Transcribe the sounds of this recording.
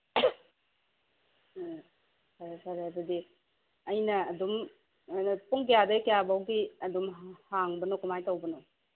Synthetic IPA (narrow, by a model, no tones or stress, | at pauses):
saɾsaɾebɐdi | ɐjnɐɐdum | npuŋkijadɐkjabawɡiɐdumhaŋbənokumajtawbəno